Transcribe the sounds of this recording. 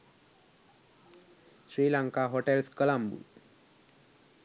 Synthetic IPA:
ɕɾiːlaŋkaɦoʈelskəlambṵ

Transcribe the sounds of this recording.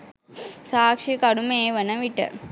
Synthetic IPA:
saːkʂikaɽumeːʋənəʋiʈə̰

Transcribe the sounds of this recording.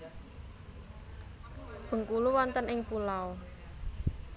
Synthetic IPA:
b̥ə̤ŋkuluwɔnt̪ənɪŋpulao

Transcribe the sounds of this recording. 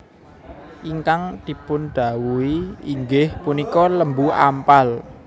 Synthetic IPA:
ʔiŋkaŋd̪̥i̤pʊnɖ̪̥a̤wuiiŋɡɪhpunikɔləmbua̰mpal

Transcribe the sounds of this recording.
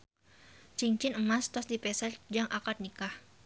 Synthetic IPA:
t͡ʃiŋt͡ʃɪnəmast̪ɔsdipɛsad͡ʒaŋʔakat̪̚nikah

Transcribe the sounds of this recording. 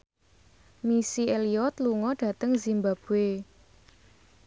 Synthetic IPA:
misieliɔt̪luŋɔɖ̥ä̤t̪əŋzimbab̥e

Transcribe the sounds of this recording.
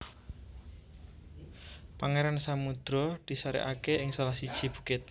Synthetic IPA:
paŋeɾansamud̪̥ɾɔd̪̥i̤saɾɛ̰ʔakeʔɪŋsalahsid̥ʒ̥i̤b̥ukɪt̪̚

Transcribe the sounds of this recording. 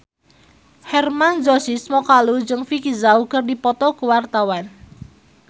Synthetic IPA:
hɛrmand͡ʒɔsismɔkalud͡ʒɨŋfikizaukərdipɔt̪ɔkəwart̪awan

